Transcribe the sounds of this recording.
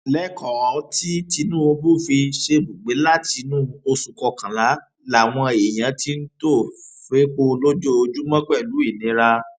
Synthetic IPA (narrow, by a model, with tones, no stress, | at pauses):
lɛ˦kɔ˨a˨˦ti˦ti˧nũ˦o˧bu˦˨fi˧ʃe˧bu˨ɡ͡be˨˦la˦ti˧nũ˦o˧su˨kɔ˧kã˨la˨˦ | la˨w̃ɔ̃˧e˨j̃ã˨˦ti˦n̩˦to˦˨fe˨˦k͡po˦˧lo˦d͡ʒo˦o˧d͡ʒu˦mã˦k͡pɛ˦˨lu˨˦i˦˨nĩ˨˦ɾa˧